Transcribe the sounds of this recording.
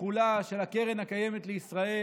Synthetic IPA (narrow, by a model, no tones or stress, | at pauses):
ulaʃe̞lhakeʁenhakaje̞met̪leisʁae